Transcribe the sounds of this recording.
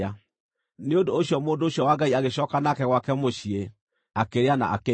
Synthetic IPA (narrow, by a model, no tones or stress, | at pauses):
a | neondoːɕjɔmoːndooɕjɔwaɡaiaɣeɕɔkanakɛɣwakɛmoʃie | akeɾeana̰ʔa̰ke